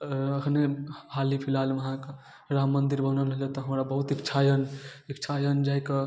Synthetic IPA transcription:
əkʰnehalipʰilalməɦãk | ɾamːənd̪iɾbənəlɦat̪ɔɦəmɾabəɦut̪ikt͡ʃʰajənikt͡ʃʰajənd͡ʒajkə

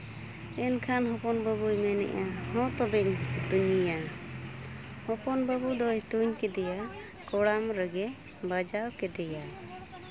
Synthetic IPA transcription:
ɛnkʰanɦɔ̃pɔnbabujmɛnɛ̰ʔahɔ̃t̪ɔbɛɲt̪uɲija | hɔpɔnbabud̪ɔjt̪uɲkɛd̪ɛja | kɔɽamɾəɡɛ | bad͡ʒawkɛd̪ɛja

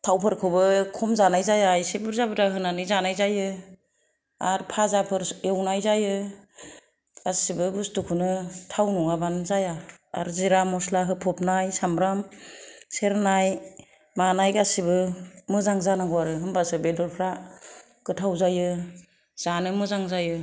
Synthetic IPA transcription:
tʰawpʰɯɾkʰɯbɯkʰɔmzanajzajajsebɯɾzabɯtaɦɯnanɯjzanajzajɯ | aɾpʰazapʰɯɾewnajzajɯ | asibɯbustukʰunɯtʰawnuŋabanzaja̰ːɾziɾamɔslaɦɯpʰɔp̚najsamɾam | seɾnaj | manajɡasibɯmɯzaŋzanaŋɡɔwaɾɯɦɯnbasɯbedɔɾpʰɾa | ɡ̥ɯtʰawzajɯ | z̥anɯmɯzaŋzajɯ

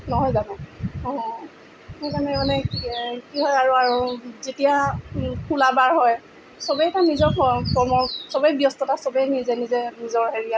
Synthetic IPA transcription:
nɔɦɔjzanɛɔɦɔ | hɔjzanɛemanɛkiɦɔjaɹuaɹuzetijakʰulabaɹɦɔj | sɔbɛɛtanizɔɹpʰɔpɹɔmɔsɔbɛjbijɔstɔtasɔbɛnizɛnizɛnizɔɹɦeɹija

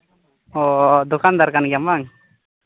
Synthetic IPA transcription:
ɔd̪ukand̪arkanɡamaŋ

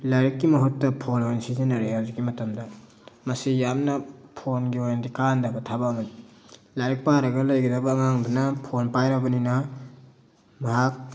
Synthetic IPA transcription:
laɾikːimɐɦutːɐpʰonensizinɐɾehawziɡimɐtɐmdɐ | mɐsijamnɐpʰonɡiojndikandɐbɐtʰabamɐt | lajɾik̚paɾɐɡɐlɐjɡidɐbɐŋaŋbɐnɐpʰonpajɾɐbɐninɐ | mɐɦak̚

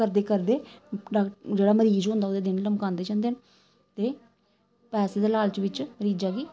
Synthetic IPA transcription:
kəɾd̪eːkəɾd̪eːɖad͡ʒeːɽaːməɾiːzɦʊ̃nd̪aːod̪eːd̪ɪnləmkãːnd̪eːt͡ʃãːnd̪eːn | t̪eː | pɛːseːd̪eːlaːlt͡ʃʋɪt͡ʃməɾiːd͡ʒaːɡiː

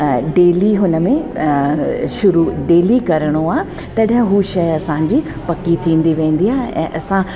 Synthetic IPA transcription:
ɖeːliɦʊnə̆mẽ | ʃʊɾuɖeːlikɐɾəɽ̃oãː | t̪ɐɗə̃ɦuʃɐjɐsãːɲd͡ʑiː | pɐkit̪ʰĩːn̆d̪iʋẽːn̆d̪iaːɦʔɛ̰̃ːʔɐsã

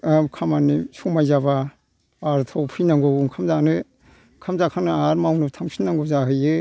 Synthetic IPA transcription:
kʰamanisumajzaba | aɾtʰɔwpʰɯjnaŋɡɔwŋkʰamzanɯ | kʰamzakʰanɯaɾmawnɯtʰaŋsʰinːaŋɡɔzaɦɯjɯ

